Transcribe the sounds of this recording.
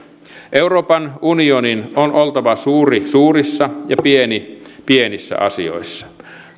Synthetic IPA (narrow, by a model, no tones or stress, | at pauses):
ʔeuɾoːpɑnunioninonʔolt̪ɑʋɑsuːrisuːrisːɑjɑpienipienisːæ̰ʔɑ̰sḭo̞̰isːɑ̥